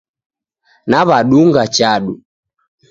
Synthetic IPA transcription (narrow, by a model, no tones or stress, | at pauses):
naβaɗuŋɡat͡ʃaɗu